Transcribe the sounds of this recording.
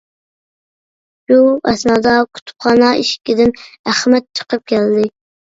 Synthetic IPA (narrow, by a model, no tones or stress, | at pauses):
b̥uɛsnɑd̪ɑkʰu̥t̪ʰpχɑːnɑiʃkʲɪd̪ɪnæχmɛt̪̚t͡ʃʰə̥qəp̚kʲʰɛld̪ɪ